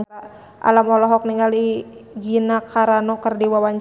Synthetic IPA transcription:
a | ʔa̰lamɔlɔɦɔk̚niŋɡaliɡinakʰaɾanɔkərdiwawaɲt͡ʃ

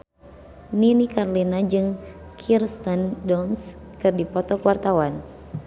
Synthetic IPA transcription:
ninikarlinad͡ʒɨŋ | kʰirst̪andɔns | kɨrdipɔt̪ɔkwart̪awan

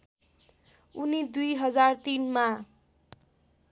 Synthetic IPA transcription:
unid̪ujɦʌd͡zart̪inma

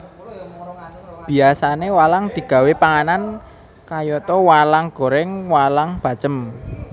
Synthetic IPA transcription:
b̥i̤asanewalaŋd̪̥i̤ɡ̥a̤wepaŋanan | kajɔt̪ɔwalaŋɡ̥o̤ɾɛŋwalaŋb̥ä̤̥t͡ʃəm

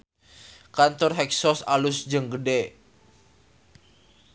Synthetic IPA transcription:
kant̪ɔrɦɛksɔsalʊsd͡ʒəŋɡədɛ

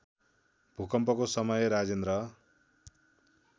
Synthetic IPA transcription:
bʱukʌmpʌkosʌmʌjʌɾad͡zend̪ɾʌ

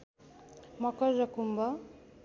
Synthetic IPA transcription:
mʌkʌɾːʌkumbʌ

